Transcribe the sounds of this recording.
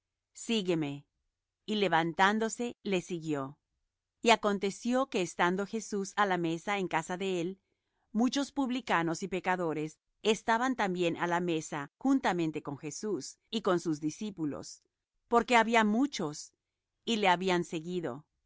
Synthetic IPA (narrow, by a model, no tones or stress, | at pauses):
siɣe̞me̞ | ile̞βant̪and̪o̞se̞le̞siɣjo̞ | iako̞nt̪e̞sjo̞ke̞ːst̪and̪o̞xe̞susalame̞sae̞ŋkasaðe̞el | mut͡ʃo̞spuβlikano̞sipe̞kaðo̞ɾe̞s | e̞st̪aβant̪ambje̞nʔalame̞saxunt̪amẽ̞nt̪e̞ko̞ŋxe̞sus | iko̞nsuzðisipulo̰s | po̞ɾke̞aβiamut͡ʃo̞s | ile̞aβianse̞ɣiðo̞̰